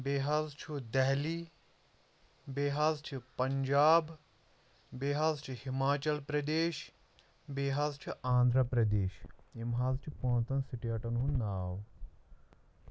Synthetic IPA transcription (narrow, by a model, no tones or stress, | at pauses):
beːɦaːzt͡ʃʰud̪ɛɦliː | beːɦaːzt͡ʃʰipɐɲd͡ʒaːb | beːɦaːzt͡ʃʰihimaːt͡ʃɐlpɾɐd̪eːʃ | beːɦaːzt͡ʃʰuãːnd̪ʱɾɐpɾɐd̪eːʃimɦaːzt͡ʃʰipõːnt̪ɐnsiʈiɐʈɐnɦũnaːw